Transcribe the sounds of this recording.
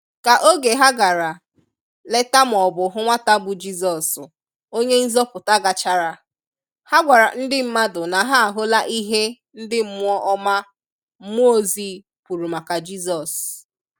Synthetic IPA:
ka˨ʔo˦ɡe˨ɦa˦ɡa˨ɾa˨ | le˦ta˦m̩˨ɔ˨bʊ˨ɦʊ˦ŋʷa˦ta˦bʊ˨d͡ʒi˦zɔ˨s | o˦ɲe˦n̩˦zɔ˦pʊ˨ta˦ɡa˨t͡ʃa˦ɾa˨ | ha˦ɡʷa˨ɾa˨n̩˦dɪ˦m̩˦ma˦dʊ˨na˨ɦa˦a˨ɦo˦la˦ʔi˦ɦe˦ | n̩˦dɪ˦m̩˦m˦ɔ˦ʔɔ˦ma˦ | m̩˦m˦o˦zi˦ | pu˨ɾu˨ma˨ka˨d͡ʒi˦zɔ˨s

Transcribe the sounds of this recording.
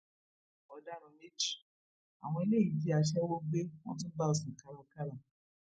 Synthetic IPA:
ɔ˧da˦˨ɾɔ̃˧ne˦d͡ʒi̥˦˨ | a̰˨w̃ɔ̃˧e˧le˦˨i˨bi˦a˧ʃ̬ɛ˦wo˦ɡ͡be˦w̃ɔ̰̃˦tũ˦ba˦o˨sĩ˨ka˨ɾa˧ka˦ɾa˨

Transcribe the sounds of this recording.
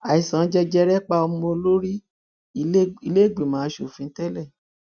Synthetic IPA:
a˨i˨sã˨˦d͡ʒɛ˦d͡ʒɛ˦˧ɾɛ˦k͡pa˦o˧mũ˦o˧lo˦ɾi˦˧˦ | i˧le˦˨ɡ͡bi˨mãː˨˦ʃo˦˨fĩ˧˦tɛ˦lɛ˦˨

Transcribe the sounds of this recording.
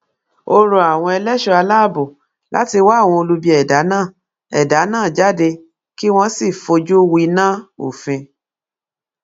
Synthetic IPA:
o˧ɾo˨a˨w̃ɔ̃˧ɛ˧lɛ˦ʃɔ˧a˧la˦˨bo˨ | la̰˦ti˧wa˦˨w̃ɔ̃˧o˧lu˧bi˧ɛ˨da˨˦nãː˦˨ | ɛ˨da˨˦nãː˦˨d͡ʒa˦de˧ | ki˦w̃ɔ̃˧si˦˨fo˧d͡ʒu˦wi˧nã˦o̰˨fĩ˧

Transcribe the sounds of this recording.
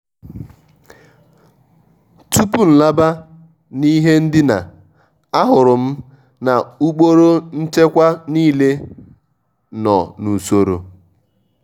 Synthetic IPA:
tu˦pu˦n̩˨la˦ba˦ | ni˦ɦe˦n̩˦dɪ˦na̰˨ | a˦ɦʊ˨ɾʊ˨m̩˦ | na˨u˦k͡po˦ɾo˦n̩˦t͡ʃe˦kʷa˦niː˦le˦ | nɔ̰˨nu˨so˦ɾo̰˨

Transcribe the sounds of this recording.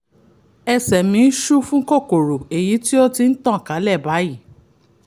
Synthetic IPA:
ɛ˧sɛ˨mĩ˧˦ʃu˦fũ˦ko˦˨ko˨ɾo˨e˨ji˨˦ti˦o˦ti˧n̩˦tã˦˨ka˨˦lɛ˦˨ba˨˦ji˦˨

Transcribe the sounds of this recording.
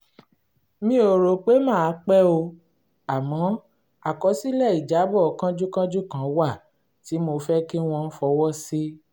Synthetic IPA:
mĩ˦o˨ɾo˨k͡pe˨˦mãː˦˨a˨˦k͡pɛ˦o˧ | a˨mɔ̃˨˦ | a˨kɔ˨˦si˦lɛ˦˨i˨d͡ʒa˨˦bɔ˦˨˦kã˦d͡ʒu˦kã˦d͡ʒu˦kã˨˦wa˦˨ | ti˨˦mo˧fɛ˦ke˦w̃ɔ̃˧n̩˦fɔ˧˦wɔ˦si˦

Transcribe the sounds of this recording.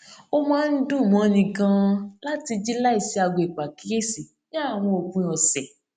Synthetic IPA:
o˦mãː˦n̩˦dũ˦˨mɔ̃˨˦˧nĩ˧kã˧la˦ti˧d͡ʒi˦la˦i˦˨si˨˦a˧ɡ͡bo˧˨i˨k͡pa˨ki˦e˦si˨ | ʃa˦a˦˨w̃ɔ̃˧o˨kũ˨˧ɔ˨sɛ˨

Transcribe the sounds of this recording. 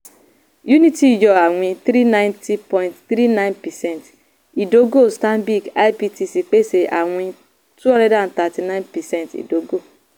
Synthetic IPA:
ju˦ni˦ti˨d͡ʒɔ˨a˨wʷĩ˧t̪ɾi˦nã˦ɪ̃˦nti˦pɔ˨j̃ntθɾi˦nã˦jnpɛ˨sɛ˦nt | i˨do˦ɡo˦˨stã˦mbi˦˨ɡa˦jpi˦ti˦si˨k͡pe˦se˨ʔa̰˨ŋʷĩ˦ | tu˦ɔ̃˦ndɛ˦dã˨n̩˨t̪a˨ti˨nã˦j̃npɛ˨sɛ˦ntḭ˨do˨˦ɡo˦˨

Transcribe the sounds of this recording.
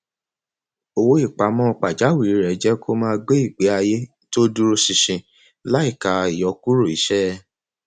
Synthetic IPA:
o˧wo˦i˦˨k͡pa˨˦mɔ̃˦˧k͡pa˨d͡ʒa˨˦wi˦˨ɾi˨˦ɾɛ˨˦d͡ʒɛ˦kʰo˦mãː˦˧ɡ͡be˦i˦˨ɡ͡be˨˦a˧je˦ | to˦du˦ɾo˧si˨ʃĩ˨ | la˦i˦˨ka˨i˨jɔ˨˦ku˦ɾo˦˨i˨˦ʃɛ˦˧˦

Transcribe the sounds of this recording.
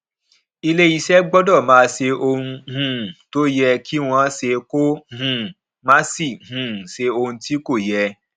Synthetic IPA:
i˧le˦i˧ʃɛ˦ɡ͡bɔ˦dɔ˦˨mãː˨˦se˧ʔo˧hũ˧hũ˨to˦jɛ˧ki˦w̃ɔ̃˧˦se˧ko˦hũ˨ | mã˦si˦˨hũ˨se˧o˧hũ˧ti˦ko˦˨jɛ˧

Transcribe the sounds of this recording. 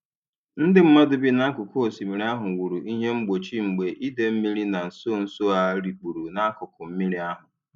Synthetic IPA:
n̩˦dɪ˦m̩˦ma˦dʊ˨bi˦na˦kʊ˨ko˦o˨si˨mi˨ɾi˨˦a˦ɦʊ˨wu˨ɾu˨i˦ɦe˦ŋ͡m̩˦ɡ͡bo˨t͡ʃi˦ŋ͡m̩˨ɡ͡be˨ʔi˦de˨m̩˦mi˦ɾi˦na˨n̩˨so˦˨n̩˨so˦a˦ɾi˨k͡pu˨ɾu˨na˦kʊ˨kʊ˨m̩˦mi˦ɾi˦a˦ɦʊ˨

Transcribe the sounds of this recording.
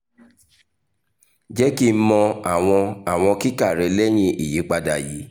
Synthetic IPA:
d͡ʒɛ˦ki˦˧˦mɔ̃˧a˨w̃ɔ̃˧a˦˨w̃ɔ̃˧ki˦ka˦˨ɾɛ˧lɛ˦j̃ĩ˦ʔi˨ji˨˦k͡pa˧da˧˨ji˨˦

